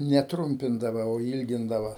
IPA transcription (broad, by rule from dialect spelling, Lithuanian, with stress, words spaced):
nʲɛ ˈtrʊmʲpʲɪndɐʋɐ oː ˈiːlʲɡʲɪndɐʋɐ